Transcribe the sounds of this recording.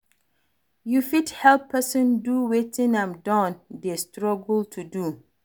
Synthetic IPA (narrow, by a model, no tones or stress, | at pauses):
jufithɛlpʰːɛsə̃nduwetĩnãmdãndestɹɔɡltʰudu